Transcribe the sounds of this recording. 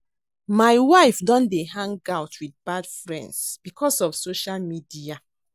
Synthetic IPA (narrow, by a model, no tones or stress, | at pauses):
maɪwaɪfdɔ̃ndeɦãŋɡaʊtwidbadfɹɛ̰̃ndsb̥ikʰɔsɔfsoʃalmidia